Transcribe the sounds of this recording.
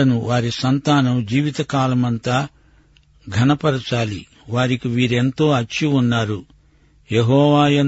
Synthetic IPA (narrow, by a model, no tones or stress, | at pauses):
ɐnuʋaːɾisɐnt̪aːnɐmd͡ʒiːʋit̪ɐkaːlɐmɐnt̪aː | ɡʱɐnɐpɐɾɐt͡ʃaːli | ʋaːɾikiʋiːɾe̞nt̪o̞ːɐt͡ʃːiunːaːɾu | jeɦɔːʋaːjɐn